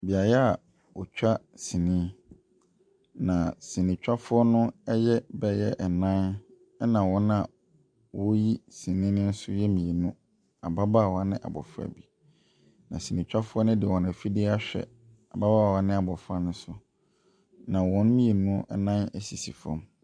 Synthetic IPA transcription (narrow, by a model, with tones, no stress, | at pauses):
bi˨a˨jɛ˦a˨ | wɔ˨t͡ɕᶣa˦ | sĩ˨nĩ˦ | nã˨sĩ˨nĩ˨t͡ɕᶣa˦fʊ˦ɔ˦nʊ̃˦ɛ˦jɛ˦bɛ˦jɛ˦ʔɛ˨nã˦n | ɛ˦nã˨wɔ̃˦na˨ | wɔ˦ji˦sĩ˨nĩ˦nɪ̃˦n̩˦sʊ̰˦jɛ˦mĩ˨e˨nũ˦ | a˨ba˦ba˦˨wa˦nɪ̃˦ʔa̰˨bɔ̰˨fʊ˦a̰˨bi˨ | nã̰˨sĩ˨nĩ˨t͡ɕᶣa˦fʊ˦ɔ˦nʊ̃˦dɪ˨wɔ̃˨næ˨fi˦dɪ˦a˦ɕᶣɛ̰˨ | a˨ba˦ba˦˨wa˦nɪ̃˦a˨bɔ˨fʊ˦a˦nʊ̃˦sʊ˦ | nã˨wɔ̃˦n˦mĩ˦e˨nũ˦ɛ˦nã˦nɛ˦si˨si˨fɔ̰̃˦m